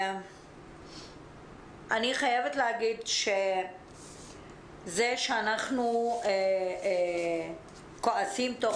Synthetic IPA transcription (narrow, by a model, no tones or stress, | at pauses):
ʔaniχajevetlehaɡid̪ʃe | zeʃeanaχnue | koasimt̪o